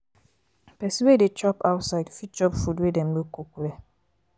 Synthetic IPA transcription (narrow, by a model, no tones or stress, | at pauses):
pɛsiwedet͡ʃɔpaʊtsaɪdfit͡ʃɔpfudwedɛ̃m̩mokokuɾɛ